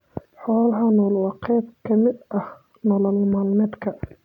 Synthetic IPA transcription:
ħɔːlɐɦɐnɔlwɑqɛːb̚kʰɐmɪd̪ɐh | nɔlɔlmaːlmɛːd̪kʰɐ

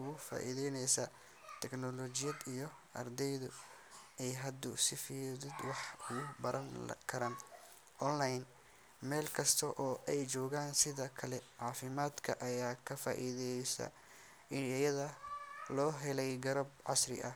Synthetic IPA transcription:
ʊɣʊfa̰ːʔiðɛjnɛjsɐ | t̪ʰɛɡnɔlɔːt͡ʃɪjɐd̪ijɞ | ʔɐ̰rd̪ɛjðʊ | ɛjɦɐd̪ʊsɪfiːðɪd̪wɑħʊɣʊbɐɾʔɐn̰kʰɐɾɐn | ʔɔnlajn | mɛːlkʰɐst̪ʰɐʔɔːʔɛjt͡ʃɔːɣaːnsɪðɐkʰɐlɛʕɑːfɪmaːd̪kʰɐʔɐjaːkʰɐfa̰ːʔiðɛjɛjsɐ̰ | ɪnɐjɐðɐlɔːɦɛlɛjɡɐɾɐbʕɑsrɪ̰ʔɐ

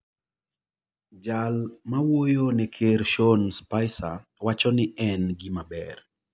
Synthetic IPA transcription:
d͡ʒalmawojonɛkʰeɾʃonspajsa̰wat͡ʃɔnɪʔɛnɡimabɛr

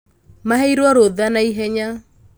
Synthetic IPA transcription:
maɦɛiɾwɔɾoðanaiɦɛɲa

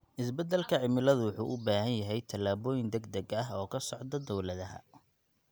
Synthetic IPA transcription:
ʔɪsbɛd̪ɛlkʰɐʕɪmɪlɐðʊwʊħṵːʔʊbaːhɐnjɐɦɛjt̪ʰɐlaːβɔːjɪnd̪ɛɡd̪ɛɡɐɦɔːkʰɐsɔʕd̪ɐd̪ɔwlɐðɐɦɐ̰

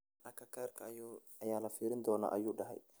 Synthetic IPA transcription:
ʔɐkʰɐkʰaːrkʰɐ | ɐjaːlɐfiːɾɪnd̪ɔːna̰ːʔɐjuːɖɐɦɛ̰j

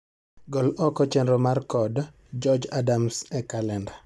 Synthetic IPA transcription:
ɡɔlɔkɔt͡ʃɛnɾɔmarkɔd | d͡ʒɔd͡ʒadamsɛkalɛnda

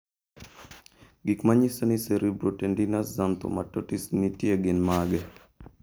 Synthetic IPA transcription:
ɡikmaɲisoniseɾʔibɾotendinaszant̪o̰matotisnitjeɡɪnmaɡɛ

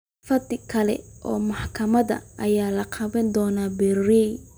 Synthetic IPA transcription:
fɐd̪ɪkʰɐlɛ̰ʔɔ̰ːmɑħkʰɐmɐðɐ̰ʔɐjaːlɐqʰɑβɐnd̪ɔːnaːbɛrɛj

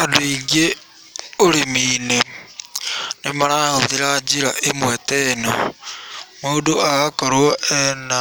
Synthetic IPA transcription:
adoiɡe | oɾimiːne | nemaɾahoðeɾad͡ʒiɾaʔemwɛtɛnɔ̰ | moːdoaɣakɔɾwɔʔɛna

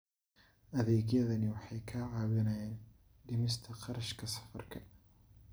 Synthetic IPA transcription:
ʔɐðeːɡjɐðɐniwɐħajkʰaːʕawɪnɐjan | d̪ɪmɪs̬t̪ʰɐqɑɾɐʃkʰɐsɐ̥fɐɾkʰɐ

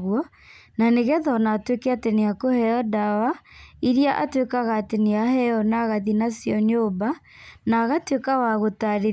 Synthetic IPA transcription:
ɣwɔ | naneɣɛðɔnaːtwekɛateneakohɛɔdawaiɾiaʔa̰twekaɣaːteneahɛɔnaɣaðinasjɔɲoːba | naɣatwekawaɣotaɾe

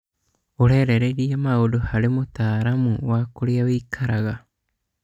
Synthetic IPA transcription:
oɾeɾeɾeɾiamaodohaɾemot̪aːɾamuβakoɾeaβejkʰaɾaɣa

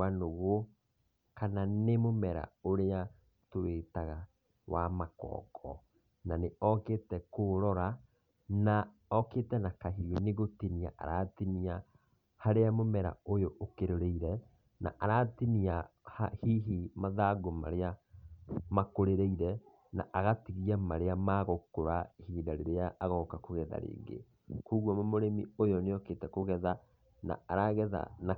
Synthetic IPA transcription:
anoɣo | kananemomɛɾa̰oɾea | towetaɣa | wamakɔ̰ːkʰɔ̰ | naneɔketɛkoɾɔɾa | na | ɔketɛnakaɦiweneɣotinia̰ʔa̰ɾa̰tinia | haɾeamomɛɾa̰ojoʔokeɾoɾeiɾɛ | na̰ʔaɾatiniahahiɦimaðaɡoma̰ɾea | makoɾeɾeiɾɛ | na̰ʔaɣatiɣiamaɾeamaɣokoɾahiːdaɾeɾeaʔːɣɔkakoɣɛða̰ɾḛːɡḛ | kuːɣwɔmɔmoɾemḭojɔneɔketɛkoɣɛða | na̰aɾaɣɛða̰na

